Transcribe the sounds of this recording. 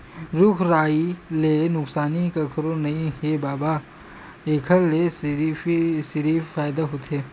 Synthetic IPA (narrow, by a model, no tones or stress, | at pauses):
ɾʊkʰɾaːilenʊksaːnikɐkʰɾonɐĩɦebaːba | eːkʰəɾles | sɪɾiːffaːjd̪aɦot̪ɦeː